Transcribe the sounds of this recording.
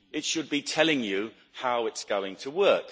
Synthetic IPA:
ɪtʃəd̚bitʰɛlɪ̃ŋjə | haʊɪtsɡ̥oʊɪ̃ŋtʰəwɜˑk

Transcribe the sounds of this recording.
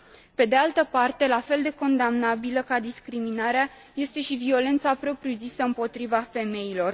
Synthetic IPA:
pe̞d̪ealt̪əpart̪e̞lafe̞ld̪e̞ko̞nd̪amnabiləkad̪iskɾiminaɾea | je̞st̪e̞ʃivio̞le̞nt̪sapɾo̞pɾiuzisəɨmpo̞t̪ɾivafe̞me̞ilo̞r

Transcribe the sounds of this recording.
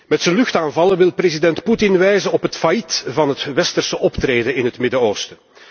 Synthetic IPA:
mɛtsənlɵxtaːnvɑləʋɪlˠprezidɛntputɪnʋɛjzənɔpɦətfajitvɑnɦətʋɛstərsəʔɔptrɾeːdənɪnɦətmɪdəoːwstə

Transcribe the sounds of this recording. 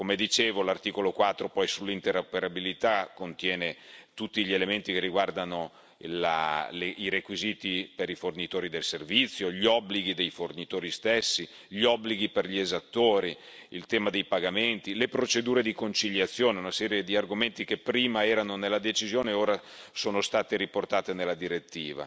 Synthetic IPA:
komed̪it͡ʃeːvolart̪iːkolokwat̪ːɾopɔjsulːint̪eɾopeɾabilit̪akːont̪jɛːnet̪ut̪ːiʎielement̪ikerːiɡward̪ano | la̰leiɾekwiziːt̪ipeɾifornit̪oːɾid̪elservit̪sːjoʎiɔbːliɡid̪ejfornit̪oːɾist̪esːi | ʎiɔbːliɡiperʎiezat̪ːoːɾi | ilt̪ɛːmad̪ejpaɡament̪ilepɾot͡ʃed̪uːɾed̪ikont͡ʃiʎːat̪sːjoːneunasɛːɾjed̪iarɡoment̪ik̟epːɾiːmaɛːɾanonelːad̪et͡ʃizjoːneoːɾa | soːnost̪aːt̪eɾiport̪aːt̪enelːad̪iɾet̪ːiːva̰

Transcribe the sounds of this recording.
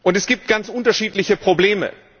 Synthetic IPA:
ʔʊntɛsɡ̥iːp̚t̚ɡ̥ant͡sʔʊntɐʃiːtlɪçəpʁ̥obleːmə̰

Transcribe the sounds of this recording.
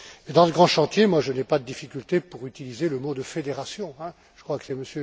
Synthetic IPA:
med̪ɑ̃ləɡʁɑ̃ʃɑ̃t̪jemwaʒənɛpad̪əd̪ifikʲylt̪epuʁyt̪ilizeləmod̪əfed̪eʁasjɔ̃ɛ̃ | ʒ̥əkχwakə̥sɛməsjø

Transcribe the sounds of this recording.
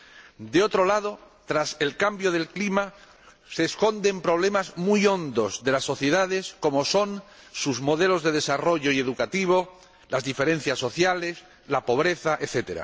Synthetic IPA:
d̪eo̞t̪ɾo̞lað̞o̞ | t̪ɾase̞lkambjo̞ð̞e̞lklima | se̞ːsko̞nd̪e̞mpɾo̞β̞le̞mazmujo̞nd̪o̞zðe̞lasːo̞θje̞ðaðe̞sko̞mo̞so̞n | suzmo̞ðe̞lo̞zðe̞ð̞e̞saro̞ʝo̞ie̞ðukat̪iβ̞o̞ | lazðife̞ɾẽ̞n̟θjasːo̞θjale̞s | lapo̞β̞ɾe̞θaʔeθe̞t̪e̞ɾa̰

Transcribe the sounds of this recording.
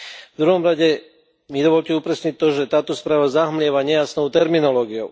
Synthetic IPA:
vd̪ɾuɦɔmɾaɟɛ | mid̪ɔʋɔʎcɛupɾɛsɲic̚t̪ːɔʒɛt̪aːt̪ɔspɾaːʋazaɦmlɪɛʋaɲɛjasnɔʊt̪ɛɾminɔlɔːɡioʊ

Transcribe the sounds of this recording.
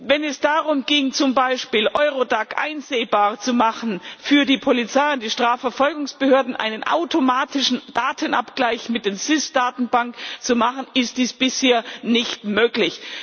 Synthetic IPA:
vɛnɛsd̥aːʁʊmɡɪŋt͡sʊmbaɪʃpiːlʔɔʏʁodakʔa̰ɪnzeːbaːɐt͡sumaχn̩fyːɐdiːpʰolit͡saɪʊntd̥iːʃtʁ̥aːfɛɐfɔlɡʊŋsb̥əhøːɐdn̩ʔa̰ɪnənʔa̰ʊtʰomaːtɪʃn̩d̥aːtʰənʔa̰pɡ̥laɪçmɪt̚d̥eːzɪsd̥aːtn̩baŋkt͡sumaχən̩ɪst̚d̥iːsb̥ɪsheːɐnɪçtmøːklɪç

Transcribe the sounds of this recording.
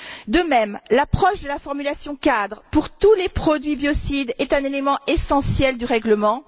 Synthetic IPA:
d̪əmɛmlapχɔʃd̪əlafɔʁmylasjɔ̃kad̪ʁpuʁt̪ulepχɔd̪ɥibjɔsid̪ɛt̪ɛ̃nelemɑ̃esɑ̃sjɛld̪yʁɛɡləmɑ̃

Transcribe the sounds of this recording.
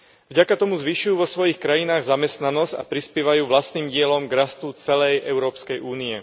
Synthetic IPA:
vɟakat̪ɔmuzʋiːʃujuːʋɔsʋɔjixkɾajinaːɣzamɛst̪nanɔzca̰pɾispjɛʋajuːʋlast̪niːmɟɪɛlɔmɡɾast̪ut͡sɛlɛjʔɛʊɾɔːpskɛjʔuːniɛ

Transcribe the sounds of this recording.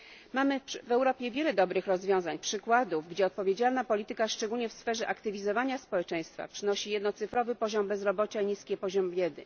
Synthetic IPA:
mamɘʂvɛwɾɔpʲjɛvʲjɛlɛd̪ɔbɾɘxɾɔzvʲjɔ̃w̃zaɲpʂɘkwad̪uvɡd͡ʑɛɔt̪̚pɔvʲjed͡ʑalnapɔlʲit̪ɘkaʂt͡ʂɛɡulɲɛfsfɛʐɛʔakt̪ɘvʲizɔvaɲaspɔwɛt͡ʂɛ̃j̃st̪fa̰pʂɘnɔɕijɛd̪nɔt̪sɘfɾɔvɘpɔʑɔmbɛzɾɔbɔt͡ɕaiɲiskʲɛpɔʑɔmvʲjɛd̪ɘ̰

